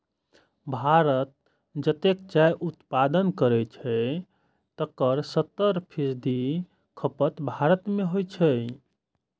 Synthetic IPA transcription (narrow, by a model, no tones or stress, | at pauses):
bʱaɾət̪̚ | d͡ʒət̪ek̚t͡ʃajʔut̪pad̪ənkəɾɛt͡ʃʰɛ | t̪əkəɾsət̪ːəɾpʰisd̪ʱi | kʰəpət̪bʱaɾət̪meɦojt͡ʃʰɛ